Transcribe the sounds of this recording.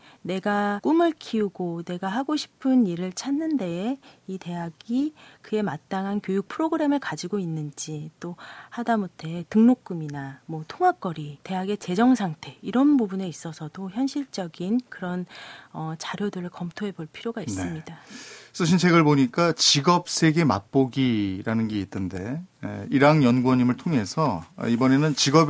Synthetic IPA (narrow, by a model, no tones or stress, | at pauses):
ne̞ɡak͈umɯɭkʰiuɡone̞ɡaɦaɡoɕʰi̥pʰɯniɾɯɭt͡ɕʰanːɯnde̞ite̞ɦaɡikɯe̞mat͈aŋɦankjojuk̚pʰɯɾoɡɯɾe̞mɯɭkad͡ʑiɡoinːɯnd͡ʑit͈ohadamutʰe̞tɯŋnok̚k͈uminamwʌtʰoŋɦak͈ʌɾite̞ɦaɡe̞t͡ɕe̞d͡ʑʌŋsʰaŋtʰe̞iɾʌnbubune̞is͈ʌsʰʌdoçjʌnɕʰiɭt͡ɕ͈ʌɡinkɯɾʌnʌt͡ɕaɾjodɯɾɯɭkʌmtʰoɦe̞boɭpʰiɾjoɡains͈ɯmɲidas͈ɯɕ̬ʰint͡ɕʰeɡɯɭpoɲik͈at͡ɕiɡʌp̚s͈ʰe̞ɡe̞ma̰p͈oɡiɾanɯnɡe̞itʰːɯnde̞̰iɾaŋjʌnɡwʌɲimɯɭtʰoŋɦe̞sʰʌ̰ibʌne̞nɯnt͡ɕiɡʌb